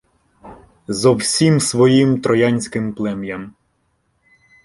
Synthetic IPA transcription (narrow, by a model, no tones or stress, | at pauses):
zɔwsʲimsʋɔjimt̪ɾɔjanʲsʲkɪmplˠɛmjɐm